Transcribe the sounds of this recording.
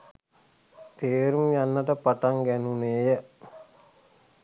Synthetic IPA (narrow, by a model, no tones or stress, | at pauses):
t̪eːɾumjanːəʈəpaʈaŋɡænuneːjə